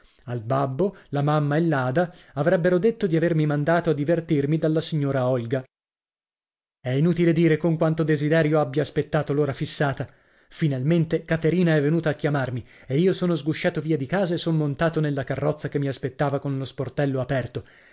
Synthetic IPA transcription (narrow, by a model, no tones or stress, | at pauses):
albabːolamamːaelːaːd̪aavɾɛbːeɾod̪et̪ːod̪iavermimand̪aːt̪oad̪ːivert̪irmid̪alːasiɲːoːɾaɔlɡa | ɛinuːt̪iled̪iːɾekoŋkwant̪od̪ezid̪ɛːɾjoabːjaːspet̪ːaːt̪oloːɾafisːaːt̪a | finalment̪ekat̪eɾiːnaɛvːenuːt̪aːkːjamarmi | eiːosoːnozɡuʃːaːt̪oviːad̪ikaːzaesonmont̪aːt̪onelːakarːɔt̪sːakemːiaspet̪ːaːvakonlosport̪ɛlːoapɛrt̪o